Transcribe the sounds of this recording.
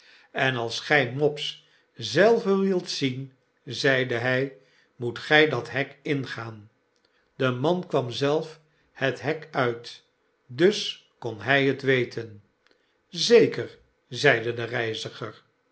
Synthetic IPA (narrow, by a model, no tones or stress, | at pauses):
ɛnɑlˠsχɛjmɔps | zɛlˠvənʋɪlˠtsin | zɛjdəɦɛj | mutχɛjdɑtɦɛkɪnχaːn | dəmɑnkʋɑmzɛlˠf | hətɦɛkœɥt | dɵs | kɔnɦɛjɦətʋejtʰən | zejkəɹ | zɛjdədərɛjzəχəɹ